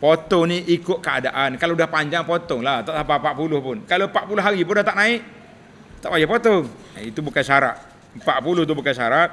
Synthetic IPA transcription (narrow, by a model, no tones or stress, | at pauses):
pot̪ɔniʔikʊʔ̪̚kəadaʔankaloudahpaɲd͡ʒaŋpot̪ɔŋlaht̪aʔsapapaʔpulʊhpʊnkalompaʔ̚pulʊɦaɾip̬ʊndaht̪aʔnaɪʔ̚ | t̪aʔbad͡ʒaʔpot̪ɔ | it̪ubukansaɾa̰ʔ̚ | mpaʔpulʊht̪̬ubukansaɾaʔ̚